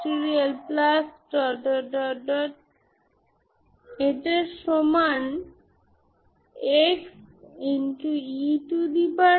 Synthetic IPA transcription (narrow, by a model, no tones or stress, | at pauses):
ʈiɾialplasʈɔɖɔɖɔɖɔʈ̚ | eʈeʃoman | eksinʈuiʈud̪ipa